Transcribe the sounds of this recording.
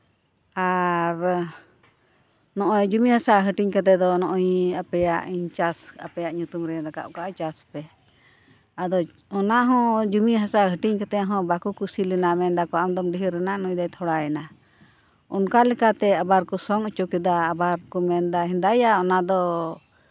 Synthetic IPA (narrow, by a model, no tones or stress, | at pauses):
aɾ | nɔʔɔjd͡ʒumihasaʔɦəʈiɲkat̪ɛd̪ɔnɔʔɔjapɛjaʔiɲt͡ʃasapɛjaʔɲut̪umɾɛɾaka̰ʔkaʔat͡ʃaspɛ | ad̪ɔ | ɔnaʔɦɔ̃d͡ʒumiɦasaɦəʈiɲkat̪ɛɦɔ̃bakukusilɛnamɛnd̪akɔamd̪ɔmɖiɦiɾɛnaʔnɔjd̪ajt̪ʰɔɽajɛna | ɔnkalɛkat̪ɛabaɾkɔsɔŋɔt͡ʃukɛd̪aːbaɾkɔmɛnd̪aɦɛnd̪ajaɔnad̪ɔ